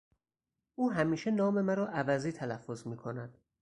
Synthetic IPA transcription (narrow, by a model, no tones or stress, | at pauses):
ʔuːɦæmiːʃe̞nɒːme̞mæɾɒːʔævæziːt̪ʰælæfːo̞zmiːkʰo̞næd̪̥